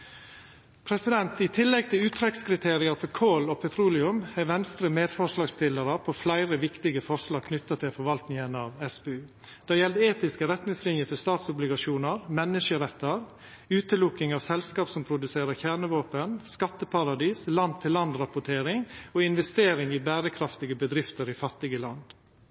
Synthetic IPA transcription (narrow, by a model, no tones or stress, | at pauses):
pʰɾɛsɪd̪ɛnt̪ɪt̪ʰɪlːɛɡ̚t̪ʰɪlʉːt̪ʰɾɛkskʰɾɪt̪ʰeːɾɪɑɾfɔɾkʰoːloːpʰɛt̪ʰɾuːlɪʉmæʋɛnst̪ɾəmeːd̪fɔʂlɑːɡst̪ɪləɾəpʰɔflæɪɾəʋɪkt̪ɪɡəfɔʂlɑːɡ̚kʰnʏt̪ːɑt̪ʰɪlfɔɾʋɑlt̪nɪŋənɑʋɛsbeːʉː | d̪̥ɛjɛld̪eːt̪ɪskəɾɛt̪nɪŋslɪnjəfɔst̪ɑːt̪sʊblɪɡɑʂuːnəɾmɛnːəʂəɾɛt̪ːəɾ | ʉːt̪əlʊkːɪŋɑʋsɛlskɑːpsɔmpʰɾʊd̪ʉseːɾəçæːɳəʋoːpənskɑt̪ːəpʰɑɾɑd̪iːslɑnd̪̚t̪ʰɪlːɑnd̪ɾɑpʊʈʰeːɾɪŋoːɪnʋɛst̪eːɾɪŋɪbæːɾəkʰɾɑft̪ɪɡəbəd̪ɾɪft̪əɾɪfɑt̪ːɪɡəlɑnd̪